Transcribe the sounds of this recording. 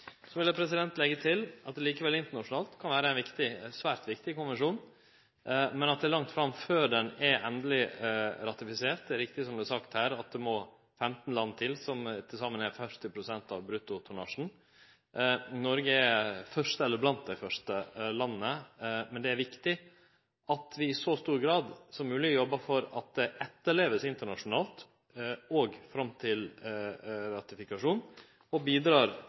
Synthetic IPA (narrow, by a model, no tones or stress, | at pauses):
sɔʋɪlːəpʰɾɛsɪd̪ɛnt̪lɛɡːət̪ʰɪlɑt̪̚d̪ɛliːkəʋɛlɪnt̪əɳɑʂʊn̩ɑːlt̪kʰɑnʋæːɾəɛɪʋɪkt̪ɪsʋæːɾt̪ʋɪkt̪ɪkʊnʋɛnʂuːn | mɛnɑt̪̚d̪ɛæɾlɑŋt̪fɾɑmføːɖɛnɛɾʔɛnd̪əlɪɾɑt̪ɪfɪseːɾt̪̚d̪ɛæɾɪk̚t̪ɪsɔmd̪ʉæsɑkt̪hæːɾɑt̪̚d̪ɛmɔ | fɛmt̪n̩lɑnːət̪ʰɪlsɔmt̪ʰɪsɑːmːənæɾfœʂt̪ɪpʰɾʊsɛnt̪ɑʋbɾʉt̪ːʊt̪ʰʊɳɑʂn̩ | nɔɾɡəæfœʂt̪əɛlːəɾblɑnt̪̚d̪æɪfœʂʈəlɑnːəmɛnd̪ɛæɾʋɪkt̪ɪ | ɑt̪ʰʋɪɪsɔst̪uːɾɡɾɑːd̪sɔmːʉːlɪɡɔjɔbːɑfɔɾɑt̪̚d̪ɛʔɛt̪ːəɭeːʋəsɪnt̪əɳɑʂʊnɑːlt̪ | ɔɡfɾɑmːt̪ʰɪl | ɾɑt̪ɪfɪkɑʂuːn | ɔbiːd̪ɾɑːɾ